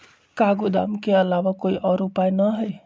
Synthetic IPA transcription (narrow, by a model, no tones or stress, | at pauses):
kaɡud̪a̰mkeəlaʋakoiʔɔɾupajnəɦəj